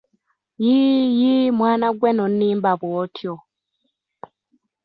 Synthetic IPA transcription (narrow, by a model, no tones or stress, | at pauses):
jijimwaːnaɡwenonːiːmbaβwoːtʰjo